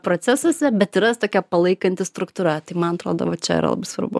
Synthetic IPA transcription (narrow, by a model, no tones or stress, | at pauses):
pɾoːt͡s̪ʲæsoːsʲɛbʲɛt̪ɪɾɐst̪oːkʲɛpɐlˠɐɪkɐnʲt̪ʲɪst̪ɾʊkt̪uɾɐt̪ɐɪmɐnɐt̪ɾoːd̪o̰ʋɐt͡ʃʲɛ̰ɪ̰ɾɐ̰lˠɐ̰bɐɪsʋɐ̰ɾbʊ̰